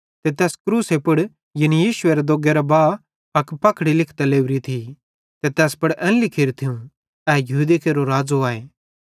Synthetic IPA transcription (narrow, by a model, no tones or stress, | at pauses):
t̪et̪ɛːskɾuːsepʊɽ | jɐnijiːʃʊeɾed̪oːɡeɾabaː | pɐkpɐkʰɽilɪkʰt̪ɐleːʋɾit̪ʰi | t̪et̪ɛːspɐɽʔɛ̃nlɪkʰɪɾt̪ʰɪũ | ɛːjɐɦuːd̪ekeɾoɾaːd͡zoaːeː